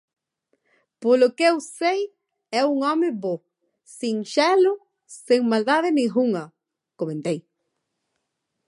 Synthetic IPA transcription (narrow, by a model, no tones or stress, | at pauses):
polokewsej | ɛuŋɔmɪbo | siŋʃɛlʊ | seŋmald̪aðenĩɣuŋɐ | komẽnt̪ej